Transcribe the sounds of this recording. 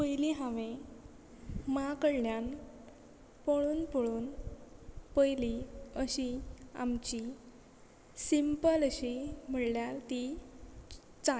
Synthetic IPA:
pəjliɦãʋe | makəɽljan | poɭuːnpoɭuːn | pəjliəɕia̰mt͡ɕi | simpələɕim̤əɽljalt̪i | t͡sa

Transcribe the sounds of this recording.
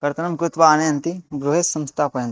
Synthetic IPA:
kɐɾt̪ɐnɐmkɾut̪ʋaːnɐjɐnt̪iɡɾuɦesɐ̃mst̪ʰaːpɐjɐ̃nt̪i̥

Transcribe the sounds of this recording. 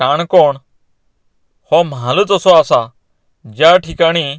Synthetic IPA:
aːɳkoːɳ | hoːmaːlʊt̪əsoaːsaː | d͡ʒaːʈʰiːkaːɽ̃iː

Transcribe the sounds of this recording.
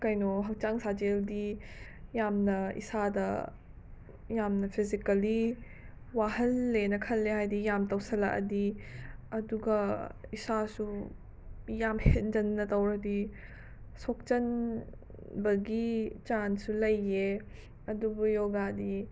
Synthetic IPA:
kɐjnoɦɐk̚t͡ʃaŋsad͡ʒeldi | jamnɐḭsadɐ | jamnɐpʰizikɐli | wahɐlːenɐkʰɐlːeɦajdijamtɐwsɐlaʔɐ̰di | ɐduɡɐisasu | jamhet̚d͡ʒɐnːɐtɐwɾɐdi | sok̚t͡ʃɐn | bɐɡit͡ʃansulɐjːe | ɐdubujoɡadi

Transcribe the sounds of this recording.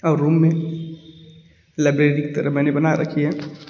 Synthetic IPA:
aːɾːumːe | laɪbɾeɾike̥t̪əɾəbɛnebənaɾʔə̰kʰiɦɛ

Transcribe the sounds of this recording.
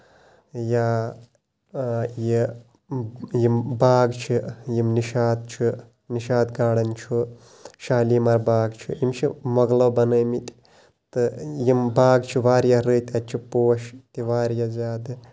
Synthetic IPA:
ja | ji | jimbaːɡt͡ʃʰijimniʃaːd̪̚t͡ʃʰu | niʃaːd̪ɡaːɽɐnt͡ʃʰu | ʃaːlimɐɾbaːɡt͡ʃʰṵimt͡ʃʰḭmɐɡlɐwbɐnɐːmit̪ʼ | t̪ɨjimbaːɡt͡ʃʰuʋaːɾjaɾɨːt̪ʲɐt͡ʃʰipoːʃt̪iʋaːɾjazʲaːd̪ɨ

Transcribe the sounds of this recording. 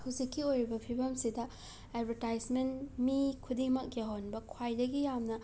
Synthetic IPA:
huwzikʰːiojɾibɐpʰibɐmsidɐ | edbʱɐɾtajsmentmikʰudiŋmɐk̚jaɦonbɐkʰwajdɐɡijamnɐ

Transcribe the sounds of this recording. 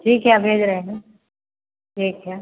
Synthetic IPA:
ʈʰiːkːjaːbʱeːd͡ʒɾəɦeɦɛ̃ | ʈʰiːkkːjaː

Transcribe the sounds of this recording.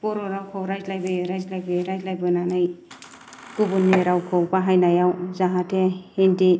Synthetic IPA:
pɔɾɔɾawkʰɔwɾajzlajbɯjɾajzlajbɯjɾajzlajbɯnanaj | kubunːeɾawkʰawpaɦajnajawzaɦatʰehenti

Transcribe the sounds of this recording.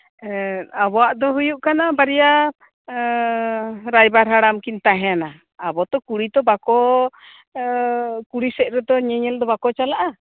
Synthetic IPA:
abɔwaʔd̪ɔɦujuʔkanabaɾɛja | ɾajbaɾɦaɽamkint̪aɦɛ̃anaː | bɔt̪ɔkuɽid̪ɔbakɔ | kuɽisɛʔ̚ɾɛd̪ɔɲɛɲɛld̪ɔbakɔt͡ʃalaʔa

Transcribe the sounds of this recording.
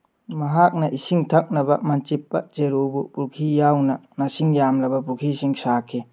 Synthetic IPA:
mɐɦak̚nɐʔisiŋtʰɐk̚nɐbɐmɐnt͡ʃipːɐ̰t͡ʃeɾobupuɾkʰijawnɐnɐsiŋjamlɐbɐpukʰisiŋsakʰi

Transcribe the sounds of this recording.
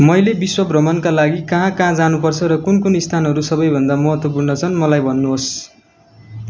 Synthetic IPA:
mʌjlebiswʌbrʌmʌnkalaɡikʌɦãkãd͡zanupʌrt͡sʰʌɾʌkunkunist̪ʰanɦʌɾusʌbʌjbʱʌnd̪amʌɦʌt̪wʌp̬urnʌt͡sʰʌnmʌlajbʱʌnːuɦos

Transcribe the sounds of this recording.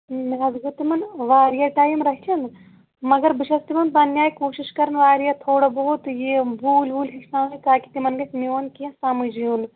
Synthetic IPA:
miɦɐzɡɐt̪imɐnʋaːɾjaʈaːjimɾɐɦt͡ʃʰɐn | mɐɡɐɾbiʃɐst̪imɐnpɐnjaːjkoːʃiʃkɐɾɐnʋaːɾjat̪ʰoːɽɐboːut̪jebuːlbuːlɦiksãːsikaːki̥t̪imɐnɡɐsnioːnkiɐ̃samɨd͡ʒijuːn

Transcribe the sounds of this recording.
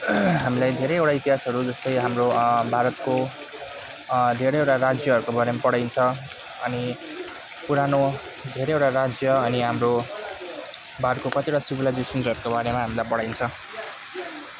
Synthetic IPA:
ɦamilajd̪ʱeɾejewʈait̪iɦasʌɾud͡zʌst̪ʌjɦamrobʱaɾʌt̪̚ko | d̪ʱeɾʌjewʈaɾad͡zjʌɦʌɾukobaɾemapʌɽajnt͡sʰʌ | ʌni | puɾano | d̪ʱeɾejewʈaɾad͡zjʌʌniɦamro | bʱaɾʌt̪̚kokʌt̪ieɽʈasubilajd͡zesʌnsʌɾukobaɾemaɦamilajpʌɽajnt͡sʰʌ

